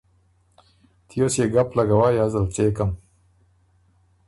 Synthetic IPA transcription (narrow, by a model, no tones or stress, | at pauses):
t̪ʰijosjeɡaplaɡawajazalt͡sekam